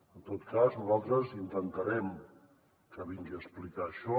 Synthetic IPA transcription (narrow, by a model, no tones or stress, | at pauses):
ənt̪ot̪kaznuzalˠt̪ɾəzint̪ənt̪əɾɛm | kəβiŋɡiəsplikaːʃɔ